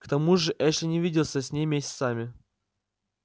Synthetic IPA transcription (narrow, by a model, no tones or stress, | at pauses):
kt̪ɐmuʐɨʔɛʂʲɪnʲɪvʲidʲɪlˠsʲəsʲnʲejmʲesʲɪ̥t̪samʲɪ